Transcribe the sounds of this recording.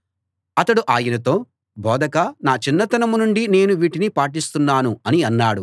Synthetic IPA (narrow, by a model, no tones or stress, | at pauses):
ɐt̪ɐɽuʔaːjinɐt̪o̞ː | bʱɔːd̪ɐkɐnaːt͡ʃinːɐt̪ɐnɐmunuɳɖine̞ːnuʋiːʈinipaːʈ̬ist̪unːaːnuɐniɐnːaːɽu